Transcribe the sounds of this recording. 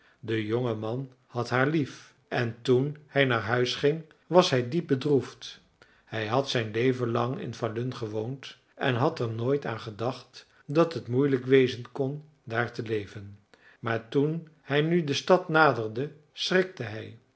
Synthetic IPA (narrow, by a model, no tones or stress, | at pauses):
dəjoŋəmɑn | hɑtɦaːɹlif | ʔɛntunhɛjnaːɹɦœɥsχɪŋ | ʋɑsɦɛjdip̚bədruft | hɛjɦɑtsɛjnlejvənlɑŋɪ̰nfalʏnχəʋownt | ʔɛ̰nɦɑtɛɹnoːjta̰ːnχədɑχt | dɑtɦətmujləkʋejzənkɔn | daːɹtəlejvən | maːɹtunhɛjnydəstɑtnaːdərdə | srɪk̚təɦɛj